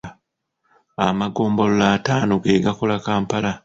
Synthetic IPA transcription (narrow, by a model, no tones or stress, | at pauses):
a̰maɡo̞ːmbo̞lolaːtaːnoɡe̞ːɡakolakaːmpala